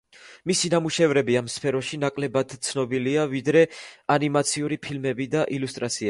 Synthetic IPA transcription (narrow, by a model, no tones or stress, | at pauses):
misinamuʃɛvɾɛbiamspʰɛɾɔʃinakʼlɛbad̪̥t̪sʰnɔbiliavid̪ɾɛanimat̪sʰiuɾipʰilmɛbid̪aʔilust̪ʼɾat̪sʰia